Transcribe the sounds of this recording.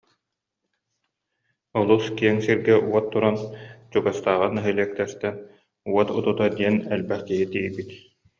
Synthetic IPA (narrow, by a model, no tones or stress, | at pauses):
ɔlˠuskiɛŋsiɾɡɛʔuɔt̪ːuɾant͡ɕuɡast̪aːʁɯnɯɦɯliɛk̚t̪ɛɾt̪ɛn | uɔt̪ut̪ut̪ad̪iɛnɛlbɛχt̪iɦit̪iːjbit̪